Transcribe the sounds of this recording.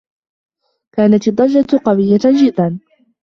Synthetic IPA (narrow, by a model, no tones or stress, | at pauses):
kaːnat̪ɨd̪ˤːɑd͡ʒːat̪qɑwɪjːad͡ʒɪd̪ːan